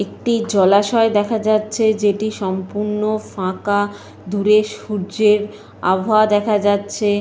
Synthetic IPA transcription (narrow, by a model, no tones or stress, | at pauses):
ek̚ʈid͡ʑɔlaʃɔed̪ɛkʰad͡ʑatːɕʰed͡ʑeʈiʃɔmpuɾnofãka | d̪uɾeʃuɾd͡ʑeɾ | a̰bʱad̪ɛkʰad͡ʑatːɕʰe